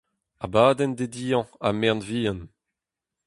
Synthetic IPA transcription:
abaːd̪ɛnd̪ed̪iːjɑ̃amɛʁnviːɑ̃n

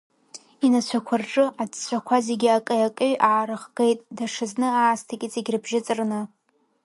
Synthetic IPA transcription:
inat͡ɕʷʰakʷʰarʈ͡ʂʼɨad͡zt͡ɕʷʰakʷʰazeɡʲiakʼɨjakʼɨɥʔaʕːɾɨχɡe̞jtʼdaʂɨznɨaːstʰakʲʼɪt͡sʰʼeɡʲrɨbʒɪt͡sʼɨrnɨ

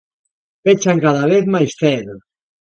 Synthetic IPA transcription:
pet͡ʃaŋkaðaβ̞eθmajsθɛðo

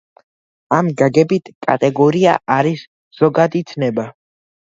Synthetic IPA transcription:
amɡaɡɛbit̪ʰkʼa̰t̪ʼɛɡɔɾia̰ʔaɾis | z̥ɔɡad̪it̪sʰnɛba

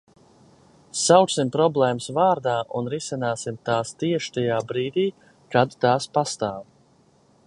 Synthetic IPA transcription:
sawksimpɾɔblˠɛːməsvaːɾd̪aːʔunɾisɛnaːsimt̪aːst̪iɛʃt̪ajaːbɾiːd̪iː | kad̪t̪aːspast̪aːw

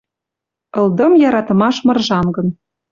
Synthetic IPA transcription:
ɤ̆ld̪ɤ̆mjɑɾɑt̪ɤ̆mɑʃmɤ̆rʒɑnɡɤ̆n

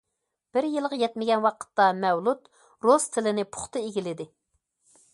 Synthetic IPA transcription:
b̥ɪɾjilˠʁɑjɛt̪mɪɡʲɛnwɑqʰə̥t̪ːɑmɛwlˠut̪ | ɾost̪ʰɪlɪnɪpʰʊ̥χt̪ɨeɡʲilɪd̪ɪ

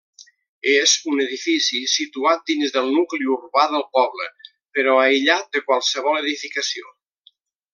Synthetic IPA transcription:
ezunəðifisisit̪uat̪̚d̪inzðəlˠnukliurβad̪əlˠpɔβlə | pəɾɔəiʎat̪̚d̪əkwalˠsəβɔləðifikəsio

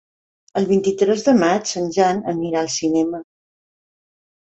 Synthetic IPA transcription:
əlˠβint̪it̪ɾɛzðəmat͡ʃənʲʒanə̰niɾaəlˠsinɛmə

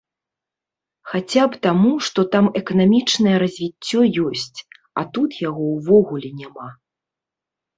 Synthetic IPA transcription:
xat͡sʲapt̪amuʂt̪ɔt̪amɛkɐnamʲit͡ʂnɐjɛɾɐzʲvʲit͡sʲːɔjɔsʲt͡sʲ | ɐ̰t̪ut̪jaɣɔwvɔɣulʲɛnʲama

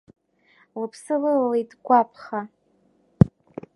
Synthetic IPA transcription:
lɨpʰsɨlɨllejtʼɡʷapʰχa

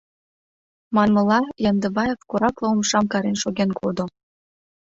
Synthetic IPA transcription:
mɑnmə̆lɑjɑnd̪ɤbɑjefkoɾɑkloomʃɑmkɑɾenʃoɣenkʰod̪o

